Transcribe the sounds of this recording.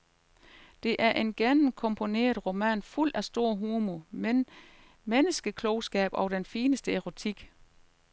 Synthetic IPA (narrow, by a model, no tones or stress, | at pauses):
d̥e̝ʔæɐʔe̝nɡ̥enm̩kʰɔ̽mpʰo̝ne̝̰ːɐð̩ˠʁo̝mæ̰nful̰d̥æsd̥o̝ɐ̰ɦuːmomen | menəsɡ̥əkʰlɔʊsɡ̥ɛ̰ːb̥ɒ̽ʊd̥enfiːnəsd̥əeʁo̝t͡sʰiɡ̥